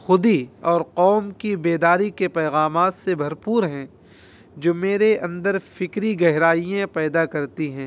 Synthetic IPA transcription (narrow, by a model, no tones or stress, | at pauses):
xʊd̪iɔːɾqɔːmkibeːd̪aːɾikepɛːɣaːmaːt̪sebʱɐɾpuːɾɦɛ̃ | d͡ʒoːmeːɾeʔɐ̃nd̪əɾfɪkɾiɡɛɦɾaːijẽpɛːd̪akɐɾt̪iɦɛ̃ː